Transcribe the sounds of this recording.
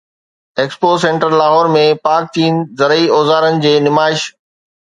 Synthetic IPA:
eːkspoːsẽːɳʈəɾlaːɦɔːɾmẽpaːk̚t͡ɕiːnzɐɾəioːzaːɾənɪ̆d͡ʑeːnɪmaːɪʃ

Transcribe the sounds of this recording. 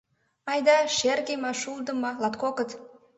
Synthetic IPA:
ɑjd̪ɑʃerkʲemɑʃulˠd̪əmɑlɑt̪kokət̪

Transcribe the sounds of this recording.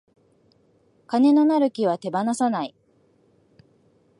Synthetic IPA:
kane̞no̞naɾɯ̟kʲiβ̞at̪e̞banasanai

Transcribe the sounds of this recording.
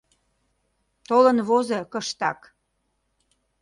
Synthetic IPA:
t̪olənβozekəʃt̪ɑk

